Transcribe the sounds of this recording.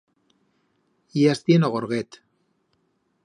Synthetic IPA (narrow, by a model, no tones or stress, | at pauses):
iast̪ienoɣoɾɣet̪